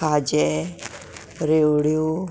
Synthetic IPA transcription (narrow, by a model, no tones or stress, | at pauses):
aːd͡ʒɛ | ɾeɽio